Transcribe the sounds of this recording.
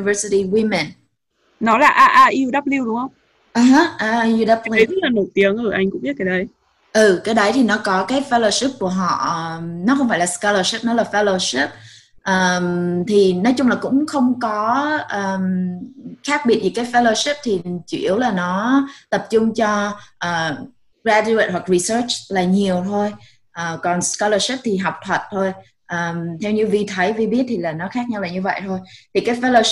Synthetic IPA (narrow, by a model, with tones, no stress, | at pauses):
və˧si˧ti˧wi˧mɛ˨˩n | nɔ˨˦laː˨˩ʔaː˧˩ʔaː˧ʔi˧əwɗa˦˥p̚li˧wɗʊ˧˦ŋ͡mŋhə˧wŋ͡m | ʔaː˨˩ɦə˨˦ʔaː˧i˧wɗa˦˥p̚li˧˨˧laː˨˩no˧˩jt̪i˨˦əŋʔɨ˧˩ʔa˧jŋ̟kʊ̰˧˥ŋ͡mɓi˦˥t̚ka˨˦ɗə˧j | ʔɨ˨˩kaː˨˦ɗə˨˦jt̪ʰi˨˩nɔ˨˦kɔ˨˦kaː˨˦jfɛ˦lo˧ʂi˦˥p̚ku˧˩əɦɔ̰˧˨nɔ˨˦xə˧wŋ͡mfaː˧˩laː˨˩ska˧lə˧ʂi˦˥p̚nɔ˨˦laː˨˩fɛ˧˦lo˧si˦˥p̚ | ʔəː˨˩mt̪ʰi˨˩nɔ˨˦jt͡ɕʊ˧ŋ͡mlaː˨˩kʊ̰˧˥ŋ͡mxə˧wŋ͡mkɔ˨˦ʔəː˨˩m | xaː˦˥k̚ɓi˨˩ət̚vi˨˩kaː˨˦jfɛ˧lo˧ʂi˦˥p̚t̪ʰi˨˩t͡ɕi˧˩˨ʔi˧˩əwlaː˨˩nɔ˨˦t̪ə˨˩p̚t͡ɕʊ˧ŋ͡mt͡ɕɔ˧ʔəː˨˩ | ɣɾaː˧t͡ɕu˧ə˨˩t̚ɦwa˨˩k̚ɹi˨˩səː˦˥t͡ɕlaː˨˩ɲi˨˩əwt̪ʰo˧j | ʔəː˨˩kɔ˨˩nskɔ˧ləː˧ʂi˦˥p̚t̪ʰi˨˩ɦa˨˩wk͡p̚t̪ʰwə˨˩t̚t̪ʰo˧j | ʔəː˨˩mt̪ʰɛ˧wɲɨ˧vi˧˩t̪ʰə˨˦jvi˧ɓi˦˥ət̚t̪ʰi˨˩laː˨˩nɔ˨˦xaː˦˥k̚ɲa˧wlaː˨˩ɲɨ˧və̰˧˨jt̪ʰo˧jt̪ʰi˨˩kaː˨˦jfɛ˧lo˧